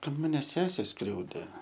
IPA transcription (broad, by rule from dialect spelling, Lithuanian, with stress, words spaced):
kɐt ˈmɑːnʲɛ ˈsʲæːsʲeː ˈskrʲɛʊdʲeː